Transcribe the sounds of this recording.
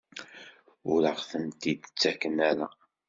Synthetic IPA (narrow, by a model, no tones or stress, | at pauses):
ʊɾəʁθənt̪id̪t͡sːækːənæɾæ